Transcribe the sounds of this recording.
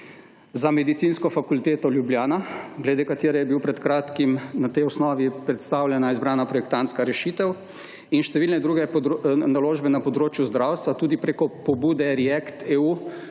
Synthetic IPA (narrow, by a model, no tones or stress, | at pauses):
zamɛd̪it̪sinskɔfakult̪eːt̪ɔljubljaːnaɡlɛd̪eːkat̪eːɾɛjɛbiwpɾɛt̪kɾaːt̪kimnat̪ɛjɔsnɔːʋipɾɛt̪st̪aːwlʲjɛnaizbɾaːnapɾɔjɛk̚t̪ant̪skaɾɛʃit̪ɛw | inʃt̪ɛʋiːlnɛd̪ɾuːɡɛnaloːʒbɛnapɔd̪ɾoːt͡ʃjuzd̪ɾawst̪ʋat̪uːd̪ipɾeːkɔpɔbuːd̪ɛɾiɛkt̪eːuː